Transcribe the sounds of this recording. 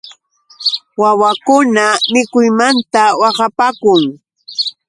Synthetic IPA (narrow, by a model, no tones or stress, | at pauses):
wawakʊnamɪkʊjmant̪awɑɢɑpaːkʊŋ